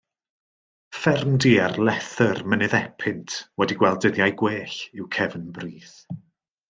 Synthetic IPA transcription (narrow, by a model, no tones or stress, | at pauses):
fɛrmdiːarlɛθərmənɨðɛpʰɪntʰwɛdiɡwɛlˠdəðjajɡweːɬɪwkʰɛvənbriːθ